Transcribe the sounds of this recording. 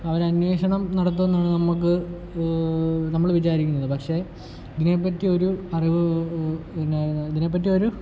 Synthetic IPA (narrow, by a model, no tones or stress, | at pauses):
ɐʋɐɾɐnʋe̞ːɕɐɳɐmnɐɽɐt̪̬ːue̞nːaːɳɨnɐmːuk̬ːɨ | nɐmːɐɭʋit͡ɕaːɾikʲːunːɐðɨpɐkʂe̞ː | iðine̞p̬ːɐtːio̞ɾuɐriʋɨ | nːiðine̞p̬ːɐt̬ːioɾu